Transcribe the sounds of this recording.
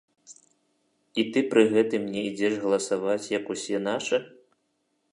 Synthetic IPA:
it̪ɨpɾɨɣɛt̪ɨmnʲɛid͡zʲɛʂɣɐlˠɐsavat͡sʲjɐkusʲɛn̪aʂɨ

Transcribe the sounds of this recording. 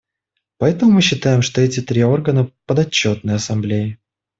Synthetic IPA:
pɐɛt̪əmʊmɨɕːɪt̪ajɪmʂt̪o̞ɛtʲɪt̪ɾʲio̞rɡənəpəd̪ɐt͡ɕːo̞t̪̚nəjəɐsɐmblʲejɪ

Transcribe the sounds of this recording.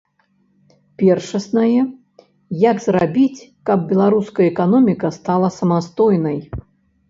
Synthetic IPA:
pʲɛrʂɐsnɐjɛ | jaɡzrabʲit͡sʲkɐb̚bʲɛlˠaɾuskɐjɐɛkanɔmʲikɐst̪alˠɐsɐmast̪ɔjnɐj

